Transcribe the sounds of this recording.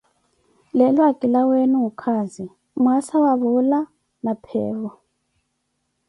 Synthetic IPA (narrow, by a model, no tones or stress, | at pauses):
lɛlwakʼilawenuukʰazi | muasaβaβula | napʰɛːβɔ